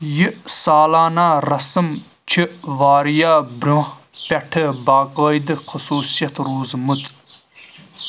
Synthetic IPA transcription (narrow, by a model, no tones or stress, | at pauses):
jɨʔsaːlaːnaːɾɐsɨm | t͡ʃʰiʔʋaːɾijaːbɾʲõːhpʲɐʈʰəbaːqəːjd̪ɨxʰɨsuːsijɐt̪ɾuːzmɨt͡sʼ